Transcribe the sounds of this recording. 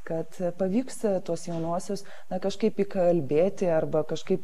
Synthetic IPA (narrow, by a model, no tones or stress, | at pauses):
kɐt̪pɐʋʲiːkst̪uɔsjɛʊnuɔsʲoːs | nɐkɐʃkɐɪpiːkɐɐlʲbʲeːt̪ʲɪɐrbɐkɐʃkɐɪp